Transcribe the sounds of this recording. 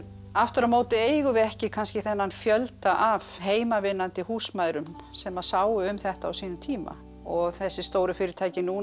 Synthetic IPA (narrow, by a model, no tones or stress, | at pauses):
aft̪ʏɾamoːwt̪ɪeːjɣʏvɛhcɪkʰanscɪθɛnːanfjœlt̪aʔavɦeːjmavɪnːant̪ɪhuːsmaːjðɾʏm | sɛmaðsaːwʏʏmθɛht̪aːwsiːnʏmt̪ʰiːma̰ | ɔɣθɛsːɪst̪oːwɾʏfɪːɾɪɾt̪ʰaːjcɪnuː